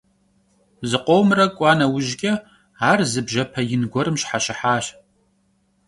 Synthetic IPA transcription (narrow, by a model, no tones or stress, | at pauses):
zɨqʷʼowmrɐkʷʼɑːnɐwʊʒɡʲʼɐ | aːrzɨbʒɐpʰɐjɪnɡʷɔɾɨmɕħaɕɪħaːɕ